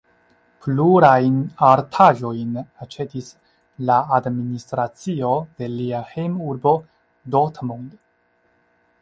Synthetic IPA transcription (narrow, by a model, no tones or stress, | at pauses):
pluɾajnaɾtʰaʒo̞jnat͡ʃe̞tis | laːdministɾat͡sio̞de̞liahejmuɾbo̞ | dotmond